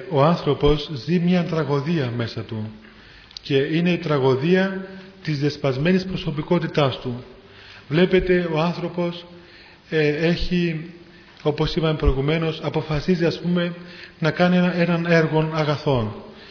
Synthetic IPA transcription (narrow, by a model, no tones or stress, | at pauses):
o̞ɐnθɾo̞po̞zzimɲɐt̪ɾɐɣo̞ðiɐme̞sɐt̪u | ce̞ine̞it̪ɾɐɣo̞ðiɐt̪izðespɐzme̞nispɾo̞so̞piko̞t̪it̪ɐst̪u | vle̞pe̞t̪e̞o̞ɐnθɾo̞po̞s | e̞çi | o̞po̞sipɐmepɾo̞iɣume̞no̞sɐpo̞fɐsiziɐspume̞nɐkɐnie̞nɐne̞ɾɣo̞nɐɣɐθo̞n